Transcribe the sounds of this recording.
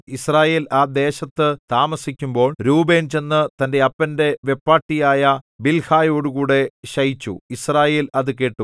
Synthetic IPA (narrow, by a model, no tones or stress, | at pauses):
israːje̞ːlaːd̪e̞ːɕɐt̪ːɨt̪aːmɐsikʲːumbo̞ːɭɾuːbe̞ːnt͡ɕe̞nːɨt̪ɐnde̞ɐpːɐnde̞ʋe̞pːaːʈːijaːjɐbilhaːjo̞ːɽukuːɽe̞ɕɐjit͡ɕːṵisraːje̞ːlɐðɨkeːʈːu